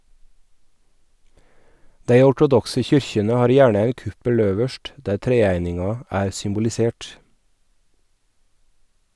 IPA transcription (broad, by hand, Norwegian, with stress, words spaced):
ˈdæɪ ɔʈʊˈdɔksə ˈçʏɾçənə ˈhɑːɾ ˈjæːɳə ˈæɪn ˈkʉpəl ˈøːʋəʃʈ ˈdæːɾ ˈtɾeːæɪnɪŋɑ ˈæːɾ sʏmbʊlɪˈseːʈ